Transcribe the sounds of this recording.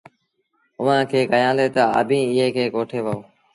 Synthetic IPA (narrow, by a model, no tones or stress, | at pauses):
ʊʋãːkʰeːkəjãːleːt̪əə̰bʱĩːɪɦeːkʰeːkoːʈʰeːʋəoː